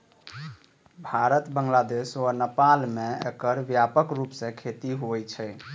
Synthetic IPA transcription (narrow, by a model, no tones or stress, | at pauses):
bʱaɾət̪bəŋɡlad̪esənəpalmeḛkəɾbjapəkɾupsẽkʰet̪iɦoɛt͡ʃʰɛ